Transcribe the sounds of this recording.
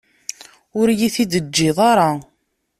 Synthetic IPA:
ʊɾjiθid̪əd͡ʒːɪðˤɑɾˤɑ

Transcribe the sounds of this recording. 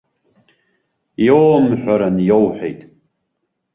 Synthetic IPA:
jowmħʷᶣaɾanjowħᶣḛjtʼ

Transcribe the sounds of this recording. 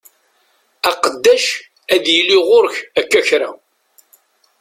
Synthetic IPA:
ɑqəd̪ːæʃ | æðjiliʁʊɾçækːæçɾa

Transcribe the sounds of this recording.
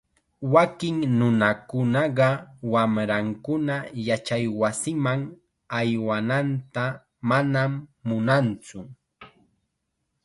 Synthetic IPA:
wakɪŋnʊnakʊnɑɢɑwamɾaŋkʊnajat͡ʃajwasɪmaŋ | ajwanant̪a | manamːʊnant͡sʊ

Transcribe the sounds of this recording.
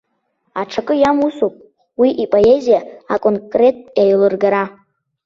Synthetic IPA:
aʈ͡ʂʰakʼɨjamusupʼ | wiʔipʼo̞e̞zijaakʼonkʼre̞tʼjaɥlɨrɡaɾa

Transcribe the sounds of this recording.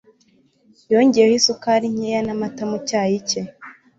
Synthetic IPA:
joɲɟeehisukaɾiɲ̥ejanamatamucaːjice

